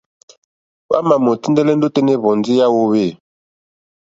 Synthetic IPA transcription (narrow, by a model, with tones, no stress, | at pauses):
wa̰˦ma˨mo˨ti˦ndɛ˦lɛ˦n˦do˦te˦ne˦βɔ˨nd͡zi˦ja˦wo˦we˦˨